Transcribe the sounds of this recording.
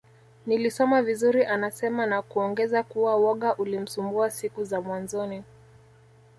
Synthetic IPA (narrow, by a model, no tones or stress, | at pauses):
nilisɔmavizuɾiʔanasɛmanakuɔŋɡɛzakuwawɔɠaʔulim̩sumbuasikuzamwanzɔni